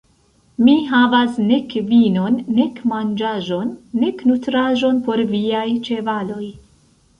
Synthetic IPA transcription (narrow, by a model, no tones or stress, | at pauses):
miɦavasne̞kvino̞nːe̞kmand͡ʒaʒo̞nːe̞knutɾaʒo̞npo̞ɾviajt͡ʃe̞valo̞j